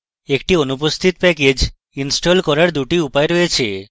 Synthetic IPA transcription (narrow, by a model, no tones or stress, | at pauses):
ek̚ʈionup̬ost̪ʰit̪pɛked͡ʑ | insʈolkɔɾaɾd̪uʈiupaeɾɔet͡ɕʰḛ